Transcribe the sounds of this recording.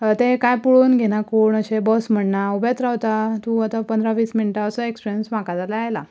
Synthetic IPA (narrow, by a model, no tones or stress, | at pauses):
t̪ekajpuɭuːnɡʱeɽ̃akuːɳəɕebɔsm̤əɳnaubet̪ɾawt̪at̪ũat̪apənd̪ɾaʋiːsminʈaəsəekspiɾjənsʋãkat̪alaajla̰